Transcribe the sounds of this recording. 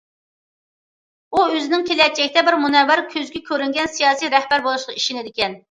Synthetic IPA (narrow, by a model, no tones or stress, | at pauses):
uøzɪnɪŋkʲʰelɛt̪̚t͡ʃɛkʲt̪ɛbɪɾmunɛwæɾkʲʰøzɡʲɛkʲʰøɾyŋɡʲɛnsijɑːsijɾɛhbæɾbolˠuʃqɑiʃinɪd̪ɪkʲɛn